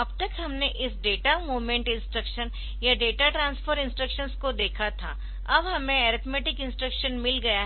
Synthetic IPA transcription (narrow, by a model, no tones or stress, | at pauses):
ɐbt̪ɐkɦɐmneʔɪsɖeːʈamoːmẽɳʈɪ̃nsʈɾəkʃən | jaɖeːʈaʈɾãːnsfʰəɾɪ̃nsʈɾəkʃənskod̪eːkʰat̪ʰa̰ | ɐbɦɐmẽɛːɾɪt̪ʰmɛːʈɪkɪ̃nsʈɾəkʃənmɪlɡɐja